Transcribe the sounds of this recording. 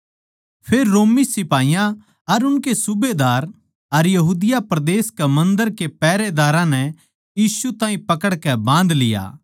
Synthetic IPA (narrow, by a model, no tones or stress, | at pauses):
pʰeːɾːoːmisɪpaːɪjã | ɐɾʊnkesʊbed̪aːɾ | ɐɾjɐɦuːd̪ɪjapɾɐd̪eːskɛmɐ̃nd̪əɾkepɛːɾed̪aːɾãnɛ | jiːsut̪ãːĩpɐkəɽkɛbãːnd̪lɪja̰ː